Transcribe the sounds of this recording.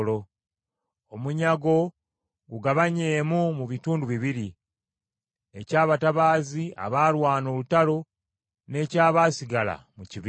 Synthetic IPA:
lo̞ | omuɲaɡo̞ | ɡuɡaβaɲe̞ːmumuβituːnduβiβiɾi | e̞̰caːβataβaːzia̰βaːlwaːno̞lutalo̞ | ne̞ːcaːβaːsiɡala̰muciβ

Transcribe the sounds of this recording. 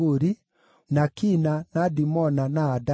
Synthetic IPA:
oɾi | nakinanadimɔnanaːda

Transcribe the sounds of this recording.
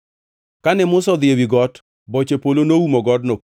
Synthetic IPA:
kanɛmʊsɔd̪ɪewiɡɔt | bɔt͡ʃepolonoumɔɡɔdno

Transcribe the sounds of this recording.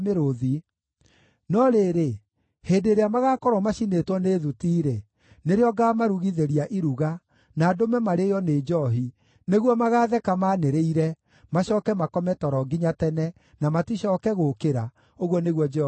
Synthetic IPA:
meɾoði | nɔɾeːɾe | heːdeɾeamaɣaːkɔɾwɔmaɕinetwɔneːðutiːɾe | neɾeɔɡamaɾuɣiðeɾiaʔiɾuɣa | naːdomɛmaɾejɔned͡ʒɔɦi | neɣwɔmaɣaːðɛkamaːneɾeiɾɛ | maɕɔːkɛmakɔmɛtɔɾɔɡiɲatɛnɛ | namatiɕɔːkɛɣokeɾa | oɣwɔneɣwɔd͡ʒɛ

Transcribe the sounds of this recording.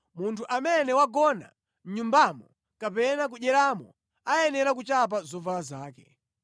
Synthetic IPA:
muntʰuʔamɛnɛwaɡɔna̰ | m̩ɲumbamɔ | kapɛnak̬uʄɛɾamɔ̰ | ajɛnɛɾak̬ut͡ʃap̬azɔvalazaːkɛ

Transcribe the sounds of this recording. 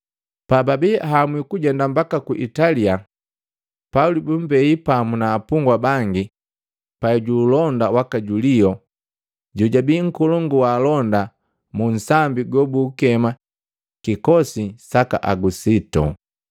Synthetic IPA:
pababɛɦamwikuɟɛndambakakuʔitalia | paulibum̩bɛipamunaːpuŋɡwabaŋɡi | paɛɟuːlɔndawakaɟuliɔ | ɟuɟabiːŋ̩kɔlɔŋɡuwaːlɔnda | mun̩sambiɡɔbuːkɛma | kikɔsisaka̰ʔaɡusitɔ̰

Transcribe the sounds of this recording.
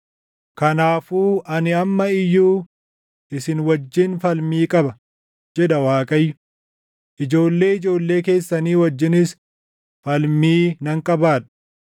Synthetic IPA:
kɐnaːfuːʔɐnɪɐmːɐɪjːuː | ʔɪsɪnwɐd͡ʒːɪnfɐlmiːkʼɐbɐ | d͡ʒɛᶑɐwaːkʼɐjːʊ | ʔɪd͡ʒo̞ːlːe̞ːɪd͡ʒo̞ːlːe̞ːke̞ːsːɐniːwɐd͡ʒːɪnɪs | fɐlmiːnɐŋkʼɐbaːᶑɐ̥

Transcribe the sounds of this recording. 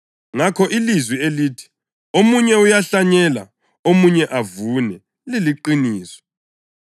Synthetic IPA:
ŋakʰɔʔilizwieliːtʰi̥ | omuɲɛujaɬaɲɛla̰ | omuɲɛʔavunɛ | liliǃiniːswɔ̥

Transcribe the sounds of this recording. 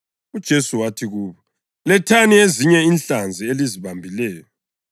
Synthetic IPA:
ud̥ʒ̥ʱesuwatʰiɣuːβɔ | lɛtʰanieziɲɛiːnɬand͡zʱieliziβambʱilɛːjɔ

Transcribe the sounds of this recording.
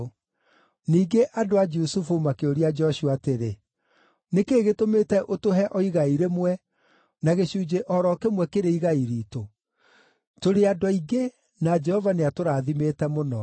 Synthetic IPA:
niːɡeʔadoad͡ʒusufumakeoɾiad͡ʒɔɕuateɾe | nekeːɣetomeːtɛʔotoɦɛʔɔiɣaiɾemwɛ | naɣeɕuːd͡ʒeʔɔɾɔkemwɛkeɾeiɣaiɾiːto | toɾeadɔiɡe | nad͡ʒɛhɔvaneatoɾaːðimetɛmonɔ

